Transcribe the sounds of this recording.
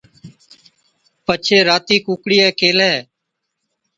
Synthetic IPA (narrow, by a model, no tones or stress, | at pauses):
pət͡ʃʰeːɾaːt̪iːkuːkɽiːɛːkeːlɛː